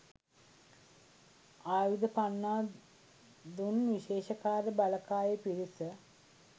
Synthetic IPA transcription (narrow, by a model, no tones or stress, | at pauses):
aːjud̪əpanːaː | d̪unʋiʃeːʃəkaːɾəbaləkaːjepiɾisə